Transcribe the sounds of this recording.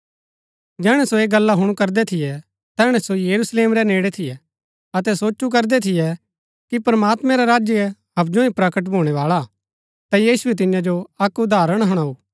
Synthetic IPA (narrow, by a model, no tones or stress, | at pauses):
d͡ʒɛːɽ̃ɛsoeːɡɐlːaɦʊɽ̃ukɐɾd̪ɛt̪ʰɪjɛ | t̪ɛːɽ̃ɛsojɐɾusleːmɾɛneːɽɛt̪ʰɪjɛ | ɐt̪ɛsoːt͡ʃuk̬ɐɾd̪ɛt̪ʰɪjɛ | kipɐɾmaːt̪mɛ̃ɾaɾaːd͡ʒjəɛɦɐb̚d͡ʒõĩpɾɐkəʈ̬bʱoːɽ̃ɛʋaːɭa | t̪ajiːsuɛt̪̬ɪjãd͡ʒoɐkʊd̪aːɾəɽ̃ɦɐɽ̃auː